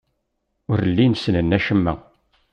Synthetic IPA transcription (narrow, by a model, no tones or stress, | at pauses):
ʊɾlːinsnənːæʃəmːæ̰